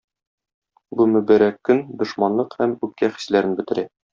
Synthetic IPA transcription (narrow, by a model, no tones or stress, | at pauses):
bumɵ̆bæɾækːɵnd̪ŏʃmɑnlˠɤqhæmʉp̚kæχi̥slæɾɘ̆nbɘ̆t̪ɘ̆ɾæ